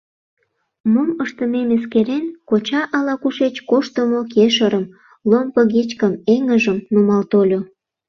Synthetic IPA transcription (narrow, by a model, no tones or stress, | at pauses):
moməʃt̪əmemeskeɾenkot͡ɕɑʔɑlɑkuʃet͡ɕkoʃt̪əmokeʃəɾəm | lompəɣet͡ɕkəmeŋəʒəmnumɑlt̪olʲo